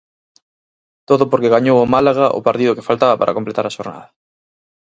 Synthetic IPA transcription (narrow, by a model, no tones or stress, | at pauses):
t̪oðʊpoɾkeɣaɲowomalaɣ̞aʔʊ̰paɾt̪iðʊke̥falt̪aβɐpa̰ɾɐ̰komplet̪aɾaʃoɾna̰ðɐ